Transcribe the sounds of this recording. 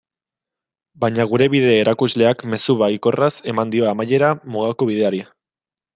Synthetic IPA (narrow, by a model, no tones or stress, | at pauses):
baɲaɣ̞uɾe̞βiðeːɾakuzle̞akme̞suβaiko̞rase̞mand̪io̞amaje̞ɾamuɣ̞ako̞β̞iðe̞aɾi